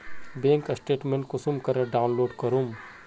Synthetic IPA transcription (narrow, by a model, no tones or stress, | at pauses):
bẽːŋkɐsʈeːʈmẽɳʈkʊsumkɐɾɐɖaːʊnloːɖkɐɾum